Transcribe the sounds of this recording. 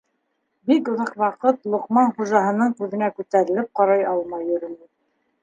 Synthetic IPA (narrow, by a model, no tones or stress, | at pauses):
bikŏðɑqwɑqɤt̪lˠŏqmɑnχuʒɑɦɤ̆nɤɴkʉðɘ̆nækʉt̪æɾɘ̆lɘp̚qɑɾɑjɑlˠmɑjːɵ̆ɾɘ̆nɘ